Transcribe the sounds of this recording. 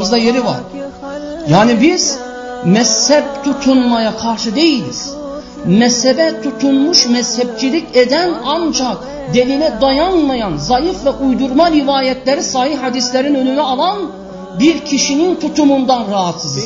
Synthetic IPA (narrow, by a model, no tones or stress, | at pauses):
ɯzd̪ajeɾiva̰ɾ | jaːnibiz̥ | mɛshɛb̚t̪ʰut̪ʰunmajakʰaɾʃɯd̪e̞jilʲḭz̥ | mɛshɛbɛt̪ʰut̪ʰunmuʃmɛshɛb̚t͡ʃʰilʲiced̪ænand͡ʒak | d̪e̞lʲilɛd̪ajanmajanzajifvɛʔujd̪uɾmaɾivaːjɛt̪ʰlʲɛɾisahihhad̪islʲeɾinø̞nynyalˠan | biɾcʰiʃinint̪ʰut̪ʰumund̪anɾaɦat̪sɯzɯz